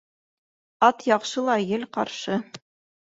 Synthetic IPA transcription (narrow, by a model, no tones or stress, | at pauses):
ɑt̪jɑqʃɤlˠɑjɘlqɑɾʃɤ